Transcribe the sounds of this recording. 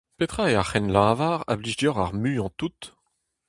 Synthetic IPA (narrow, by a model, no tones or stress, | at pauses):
pet̪χaeaχɛnlãːvaːʁa̰bliʒdjɔʁa̰ʁmyɑ̃t̪ut̪